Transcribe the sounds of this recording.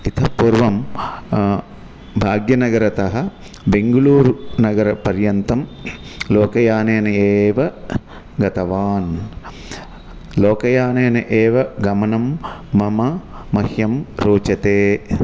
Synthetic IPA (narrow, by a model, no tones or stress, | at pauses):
it̪ʰɐpuːɾʋɐm | bʱaːɡjɐnɐɡɐɾɐt̪ɐɦɐ | beŋɡɐluːɾnɐɡɐɾɐpɐɾjɐnt̪ɐmloːkɐjaːneːnɐeːʋɐ | ɡɐt̪ɐʋaːn | loːkɐjaːneːnɐʔeːʋɐɡɐmɐnɐmːɐmɐmɐhjɐmɾoːt͡ʃɐt̪eː